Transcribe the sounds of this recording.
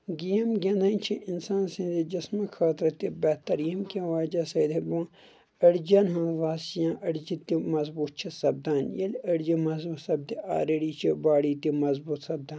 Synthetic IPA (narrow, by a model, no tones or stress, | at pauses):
ɡijɐmɡʲɐnat͡ʃʰiʔinsaːnsĩnd̪id͡ʒɐsmɐkʰaːt̪ɾɐt̪ibɛt̪ɐɾijɐmkiʋaːd͡ʒɐsɐd̪ebõː | ɐɽd͡ʒɐnɦãːʋaːsijãːʔɐɽd͡ʒit̪ːimɐzbuːt̪̚t͡ʃʰisɐb̚d̪aːnjɐlɐɽd͡ʒimɐzbut̪sɐb̚d̪iʔa̰ːɾeɽit͡ʃʰibaːɽit̪imɐzbuːt̪sɐb̚d̪aːn